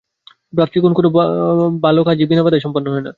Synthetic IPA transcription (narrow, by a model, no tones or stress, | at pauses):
bɾap̚t̪ːikonokonobalokʰad͡ʑibinabad̪eʃɔmponːoɦɔena